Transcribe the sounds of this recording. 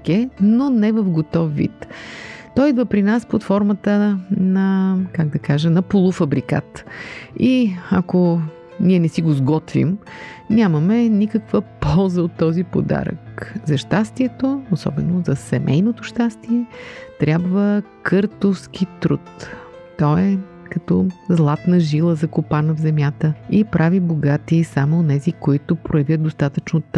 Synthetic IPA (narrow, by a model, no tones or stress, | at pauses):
kɛnonɛvəfɡot̪ɔfːḭt̪t̪ɔid̪vəpɾinaspot̪fɔɾmət̪ənɐkaɡ̚d̪ɐkaʒənɐpolˠufɐbɾika̰t̪ | iɐko | niɛnɛsiɡozɡɔt̪vḭmnʲaməmɛnikəkvəpɔlˠzəot̪ːɔzipo̰d̪a̰ɾə̰kzɐʃt̪ast̪iɛt̪oosɔ̰bɛnozɐsɛmɛjnot̪oʃt̪ast̪iɛt̪ɾʲabvəkɤɾt̪ofsk̟it̪ɾut̪ː | ɔɛ | kɐt̪ɔzlˠat̪nəʒilˠəzɐkopanəvzɛmʲjat̪əipɾʔaviboɡat̪isamoːnɛzikoit̪opɾojɐvʲjət̪̚d̪ost̪at̪ət͡ʃnot̪